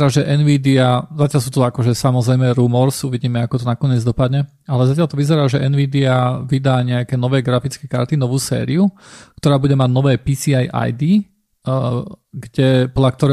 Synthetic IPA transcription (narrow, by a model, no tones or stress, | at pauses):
ɾaːʒɛʔɛnʋiːd̪iazacɪalʎs̬uːt̪ɔakɔʒɛsamɔzɾɛjmɛɾuːmɔɾsuʋiɟiːmɛakɔt̪ɔnakɔɲɪɛd͡zd̪ɔpad̪ɲɛ | alɛzacalt̪ɔʋizɛɾaːʒɛʔɛnʋiːd̪iaʋid̪aːɲɛakɛːnɔʋɛːɡɾafit͡skɛka̰ɾt̪inɔʋuːsɛ̰ːɾiukt̪ɔɾaːbuɟɛmaɟnɔʋɛːpisiajʔa̰jd̪iː | ɡɟɛpɔdlak̚t̪ɔɾɛ